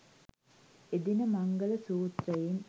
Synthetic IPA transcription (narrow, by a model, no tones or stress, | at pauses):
ed̪inəmɐŋɡələsuːt̪rəjim